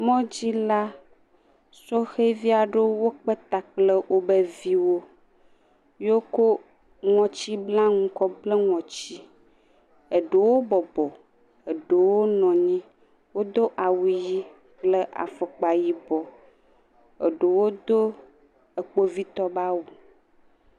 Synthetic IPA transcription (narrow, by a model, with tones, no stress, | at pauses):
mɔ̃˦d͡ʑi˦la˦ | sɔ˦xe˦vi˦a˨ɖo˦wo˦k͡pə˦t̪a˨k͡plə˦wʔo˦bə˦vi˦wo˦ | jo˦ko˦ | ŋɔ̃˨t͡ɕi˦blã˦ŋũ˦kɔ˦blə˦ŋɔ̃˨t͡ɕi˦ | ə˨ɖe˨wo˦bɔ˨bɔ˨ | ə˨ɖo˨wo˦nɔ̃˨ɲĩ˦ | wo˦d̪o˦ʔa˨wu˨ji˦ | k͡plə˦ʔa̰˨fɔ˨k͡pa˨ji˦bɔ˨ | ə̰˨ɖe˨wo˦d̪o˦ | ə˨k͡po˦vi˦t̪ɔ˦ba˦wu˨